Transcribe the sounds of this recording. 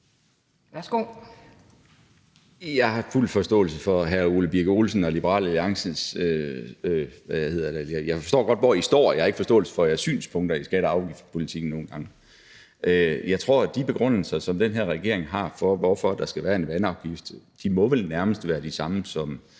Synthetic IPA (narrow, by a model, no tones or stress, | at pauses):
ʋæsɡ̥o̰ | jɑ̈ɪhɑ̈ful̰fɒ̽sd̥ɔ̰̽ːl̩səfɒ̽ɦæɐuləb̥iɐɡ̥əolsn̩ɒ̽lib̥əʁɑ̰̈ːlæliɑ̈ŋs̩søøʋæjæhe̝ð̰ˠɐd̥ejajɑɪfɒsd̥o̰ːɡ̥ɒ̽d̥ʋɒisd̥ɒ̰ːjɑhɑe̝ɡ̥fɒ̽sd̥ɔ̰̽ːl̩sə̥fɒ̽jæɐsy̰ːnspʰɔ̽ŋd̥ɐisɡ̥æɾəɑ̈ʊɡ̥ifd̥pʰo̝lit͡sʰiɡ̥n̩no̝ːn̩ɡ̥ɑ̈ŋ | ʔøjɑ̈ɪt͡sʰʁo̝ɐ̰d̥ib̥e̝ɡ̥ʁɔn̰l̩sɐsɒ̽md̥enɦeɐ̰ʁɛɡ̥e̝ɐ̰e̝ŋɦɑ̈fɒ̽ʋɒfɒ̽d̥ɑ̈sɡ̥æʋæːɐenʋænɑ̈ʊɡ̥ifd̥d̥imɒ̽ʋelnæɐməsd̥ʋæːɐd̥isɑ̈məsɒ̽m